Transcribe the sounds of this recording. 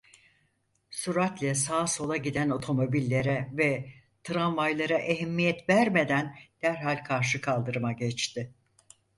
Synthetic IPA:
suɾat̪lʲɛsaːso̞lˠaɟid̪æno̞t̪ʰo̞mo̞bilʲːe̞ɾɛvɛ | t̪ʰɾanvajlˠaɾaʔeɦɛmːijɛt̪væɾme̞d̪ænd̪̥æɾɦalʲkʰaɾʃ̬ɯkʰalˠd̪ɯɾɯmaɟɛt͡ʃt̪ʰɪ

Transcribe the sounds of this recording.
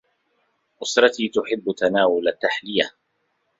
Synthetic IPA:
ʔʊsɾˤɑt̪iːt̪ʊħɪbːt̪anaːwʊlat̪ːaħlɪja

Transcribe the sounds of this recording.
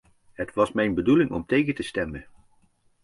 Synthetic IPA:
ɦətʋɑsmɛjnbədulɪŋɔ̰mtejχətəstɛmən

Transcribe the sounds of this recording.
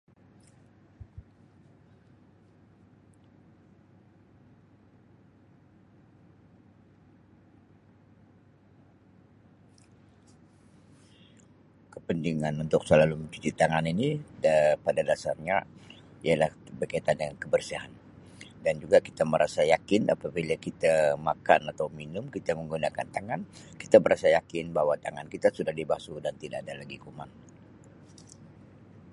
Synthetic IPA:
kəpəndiŋanunt̪ʊk̚səlaluməɲt͡ʃut̪it̪aŋanini | padadasa̰rɲaijalahbərkait̪adəŋankəbərsiɦan | dand͡ʒuɡaki̥t̪aməɾʔasajakɪnʔa̰pabilakit̪amakanat̪awminʊmkit̪aməŋɡunaka̰nt̪aŋanki̥t̪aməɾasajakɪnbaɦwat̪aŋankit̪asudahdibasudant̪idaadalaɡikuman

